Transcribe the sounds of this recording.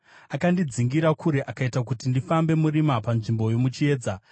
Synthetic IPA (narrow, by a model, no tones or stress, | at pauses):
akandid͡ziŋɡiɾakʰuɾe̞ʔakaitak̬utindifambe̞muɾimapanʐimbo̞jo̞mut͡ʃie̞ːd͡za